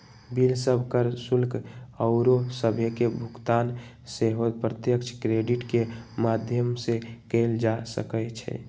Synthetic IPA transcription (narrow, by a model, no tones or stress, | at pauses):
bilsəbʱkəɾsulkəʊɾosəbʱekebʱʊkt̪aːn | seɦod̪̚pɾət̪jəkt͡ʃʰkɾeɖiʈkemaːd̪ʱjəmsekeːld͡ʒasə̰kət͡ʃʰɛ̰